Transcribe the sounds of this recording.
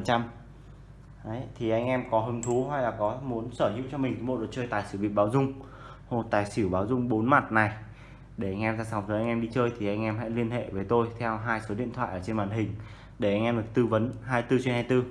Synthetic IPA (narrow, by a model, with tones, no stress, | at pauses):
t͡ɕa˧m | ʔə˨˦jt̪ʰi˨˩ʔa˧jŋ̟ʔɛ˧mkɔ˨˦ɦə˧˩ŋ͡mt̪ʰu˨˦ɦa˧jlaː˨˩kɔ˨˦mu˨˦ənsəː˧˩ɲḭ˧˨˥wt͡ɕɔ˧mï˨˩ŋ̟ʰ˨˦mo˨˩t̚ɗ̚t͡ɕəː˧jt̪aː˨˩jsɨ˧˩vi˨ɓaː˨˦wzʊ˧ŋ͡m | mo˨˩t̚t̪aː˨˩jsi˧˩wɓaː˨˦wzʊ˧ŋ͡mɓo˨˦nma˨˩t̚na˨˩j | ɗe˧˩ʔa˧jŋʔɛ˧mzaː˧sa˨˦ŋ͡mt̪ʰəː˨˦ʔa˧ŋ̟ʔɛ˧mɗi˧t͡ɕəː˧jt̪ʰi˨˩ʔa˧jŋʔɛ˧mɦa̰˧˥jli˧ənɦḛ˧˨vəː˨˦jt̪o˧jt̪ʰɛ˧wɦaː˧jso˨˦ɗḭ˧˨ənt̪ʰwa̰ː˧˨ʔəː˧˩t͡ɕe˧nɓaː˨˩nɦï˨˩ŋ̟ | ɗe˧˩ʔa˧ŋ̟ʔɛ˧mɗɨ˨˩ək̚t̪ɨ˧və˨˦nɦaː˧jt̪ɨ˧t͡ɕwnhaː˧jt̪ɨ˧